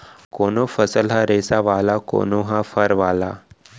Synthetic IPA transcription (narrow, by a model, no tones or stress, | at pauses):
konofəsəlɦaɾesaʋalako̰noɦafəɾʋala